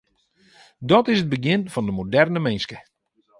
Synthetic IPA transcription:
dɔtɪsəd̚bəɡjɪnfɔndəmodɛrnəmɛnskə

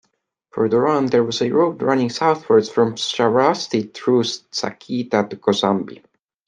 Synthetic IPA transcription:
fə˞ðə˞ɔ̃nðə˞wʌzəɹoʊdɹanɪ̃ŋsawθwə˞dz̥fɹɔ̃msavastiθɹussa̰kʰit̪atukʰɔzãmbḭ

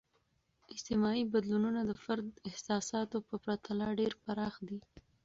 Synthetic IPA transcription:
ɪst̪ɪmɑibad̪lununad̪əfaɾd̪ɪhsɑsɑt̪opəpɾat̪ʰalɑɖeɾpaɾɑxd̪i

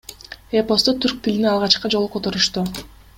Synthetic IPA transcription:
epo̞st̪ot̪ʰyɾk̚t̪ʰiliniɑlˠʁɑt͡ʃqɑd͡ʒo̞lˠuqʰːot̪o̞ɾuʃt̪u

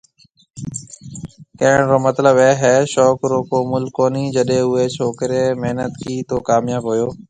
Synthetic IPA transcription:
kɐɦɪɽ̃ɾoːmət̪ləbɛːɦɛːʃɔːkɾoːkoːmʊlkoːniːd͡ʑəɗẽʊɦeːt͡ʃʰoːkɾeːmeɦnət̪kiːt̪oːkaːmjaːbɦʊjoː

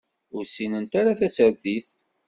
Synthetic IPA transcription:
ʊɾsinənt̪aɾaθæsəɾðiθ

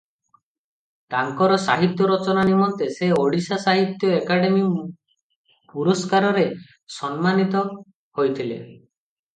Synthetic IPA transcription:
t̪aŋkɔɾɔsaɦit̪jɔɾɔt͡ʃɔnanimɔnt̪eseoɽisasaɦit̪jɔekaɽemi | puɾɔskaɾɔɾe | sɔnmanit̪ɔ | hojt̪ʰile

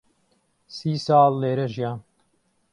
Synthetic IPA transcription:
siːsɑːlːeːɾɐʒijaː

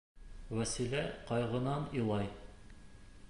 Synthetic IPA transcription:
wæsilæqɒjʁɤ̆nɑnilˠɑj

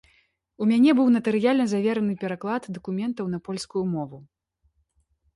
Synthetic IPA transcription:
umʲanʲɛbɨwnɐt̪ɨɾɨjalʲnɐzavʲɛɾɐnɨpʲɛɾaklˠad̪d̪ɐkumʲɛnt̪ɐwnɐpɔlʲskujumɔvu

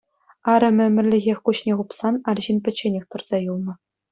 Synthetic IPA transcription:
ɑɾʲɘ̆mʲɘ̆mʲɘ̆rʲlʲɘ̆ɣʲexʲkuɕnʲeʁupsɑnɑrʑinpʲɘ̆t͡ɕːenʲexʲt̪ɤ̆rz̥ɑjulˠnɤ̆

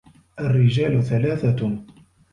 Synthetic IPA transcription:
ʔarːɪd͡ʒaːlʊθalaːθa

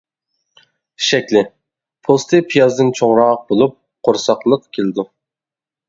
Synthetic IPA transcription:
ʃɛkʲlɪ | pʰost̪ʰɨpʰijɑzd̪ɨnt͡ʃʰoŋɾɑq̚bolˠup̚ | qʰoɾsɑqlˠəqkʲʰelɪd̪u

